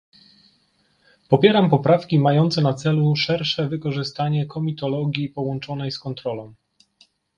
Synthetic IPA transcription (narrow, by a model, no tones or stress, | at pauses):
pɔpʲjɛɾampɔpɾafkʲimajɔnt̪sɛnat̪sɛluʂɛɾʂɛvɘkɔʐɘst̪aɲɛkʰɔmʲit̪ɔlɔɡʲjipɔwɔnt͡ʂɔnɛjskɔnt̪ɾɔlɔ̃w̃